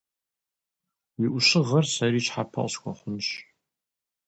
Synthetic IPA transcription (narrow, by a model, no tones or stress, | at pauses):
jɪʔʷʊɕɪʁɐrsɐɾiːt͡ʃħapʰɐ̰ʔɕkʷʰɔ̰χʷʊnɕ